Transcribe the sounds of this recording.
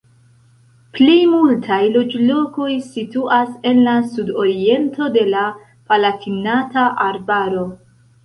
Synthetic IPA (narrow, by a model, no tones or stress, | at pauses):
plimultʰajlo̞d͡ʒlo̞ko̞jsituʔase̞nlasudo̞ɾie̞nto̞de̞la | palatʰinataʔaɾbaɾo̞